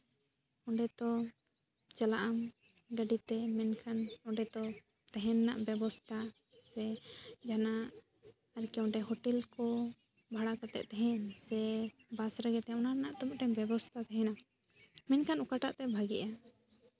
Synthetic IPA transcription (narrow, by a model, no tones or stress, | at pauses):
ɔɳɖɛt̪ɔ | t͡ʃalaʔam | ɡəɖit̪ɛmɛnkʰanɔɖɛt̪ɔ | t̪ɛɦɛ̃nːaʔbjɛbɔst̪ʰa | sɛd͡ʒanaʔ | aɾkɛɔ̃ɖɛɦɔʈɛlkɔ | bʱaɽakat̪ɛ̰ʔt̪ɛɦɛ̃nsɛbasɾaɡɛt̪ɛɔnaɾnaʔt̪ɔmʈɛmbjɛbɔst̪ʰat̪ɛɦɛ̃na | mɛnkʰanukaʈaʔt̪ɛbʱaɡɛʔa